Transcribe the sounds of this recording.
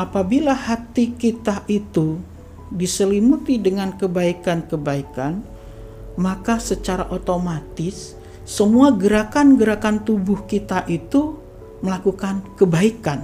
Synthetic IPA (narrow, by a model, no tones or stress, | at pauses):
apabilahat̪ikit̪aʔit̪u | disəlimut̪idəŋankəbaikankəbaikan | makasət͡ʃaɾaʔot̪omat̪ɪsː | əmuaɡəɾakanɡəɾakant̪ubʊhkit̪aʔit̪u | məlakukankəbaikan